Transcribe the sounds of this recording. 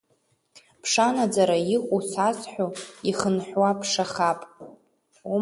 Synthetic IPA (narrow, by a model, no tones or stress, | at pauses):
pʰʂanad͡zaɾaiχʷʼusasħʷᶣuiχənħʷwapʰʂaχapʼ | u